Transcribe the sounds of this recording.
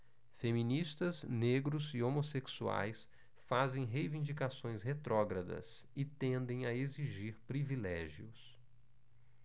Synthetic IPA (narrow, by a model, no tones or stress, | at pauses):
femĩnist̪ɐzneɡɾʊzɪomoseksua̰js | fazẽj̃ɦejvĩnd͡ʒikasõj̃shet̪ɾɔɡɾɐd̪ɐ̰s | ɪt̪ẽnd̪ẽj̃ɐeziʒiɾpɾivilɛʒiʊs